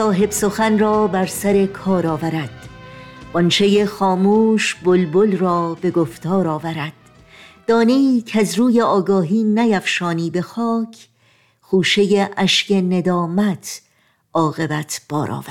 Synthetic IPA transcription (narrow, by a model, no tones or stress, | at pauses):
sɒːɦe̞bsoxænrɒːbæɾsæɾe̞kʰɒːɾɒːvæɾæd̪̥b̥ɔnt͡ʃʰejexɒːmuːʃbolbolrɒːbe̞ɡoft̪ɒːɾɒːvæɾæd̪̥̚ː | ɒːneiːcʰæzɾuːjeɒːɡɒːɦiːnæjæfʃɒːniːbe̞xɒːcʰ | xuːʃe̞jeʔæʃce̞ne̞d̪ɒːmæt̪ʰ | ɒːɣe̞bæt̪ʰb̥ɒ̰ːɾʔɒ̰ːvæ̥